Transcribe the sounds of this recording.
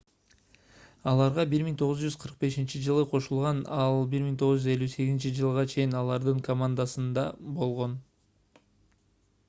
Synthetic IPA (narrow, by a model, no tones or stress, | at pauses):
ɑlˠɑɾʁɑbiɾmiŋt̪ʰo̞ʁʊzd͡ʒyzqʰəɾq̚be̞ʃint͡ʃid͡ʒɯlˠɯqʰo̞ʃulˠʁɑnɑlˠbiɾmiŋt̪ʰo̞ʁzd͡ʒyze̞lʲːyse̞ɡʲizint͡ʃid͡ʒɯlˠʁɑt͡ʃʰe̞jinɑlˠɑɾd̪ɯŋkʰomand̪asɯnd̪ɑbo̞lˠʁo̞n